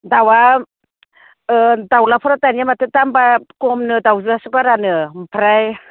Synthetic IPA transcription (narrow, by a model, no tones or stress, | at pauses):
dawa | dawlapʰɔɾatanjamatetambakɔmnɯdawzɯasɯbaɾanɯmpʰaɾaj